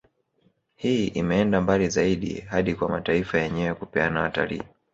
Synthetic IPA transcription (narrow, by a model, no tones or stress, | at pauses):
hiːʔimɛɛndambalizaiɗḭhaɗikwamataifajɛɲɛwɛkupɛanawata̰lḭː